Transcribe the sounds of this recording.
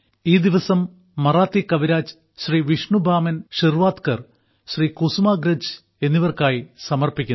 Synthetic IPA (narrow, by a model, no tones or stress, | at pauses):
iːd̪iʋɐsɐmː | ɐraːt̪ːikɐʋiɾaːd͡ʑ | ɕriːʋiʂɳubʱaːmɐnʂirʋaːt̪kɐr | ɕriːkusumaːɡɾɐd͡ʑ | e̞nːiʋɐrkaːjisɐmɐrpikʲːun